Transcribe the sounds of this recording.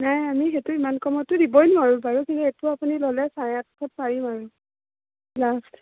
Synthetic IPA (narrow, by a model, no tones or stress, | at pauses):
najamixetuimankɔmɔtudibɔjnaɹubaɹukintuetuapunilolɛsajatkʰɔt̚paɹimaɹu | last